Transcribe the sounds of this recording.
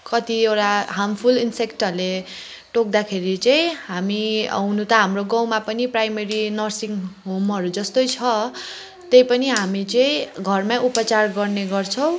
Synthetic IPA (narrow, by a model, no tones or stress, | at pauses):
kʌt̪iewʈaɦampʰulinsekʈʌrle | ʈok̚d̪akʰeɾit͡saĩɦamiʌ̰wnut̪ʌɦamroɡawmapʌniprajmeɾinʌrsiŋɦomʌɾud͡zʌst̪ojt͡sʰʌ | t̪ejpʌniɦamit͡sʌĩɡʱʌrmaupʌt͡sarɡʌrneɡʌrt͡sʰʌw̃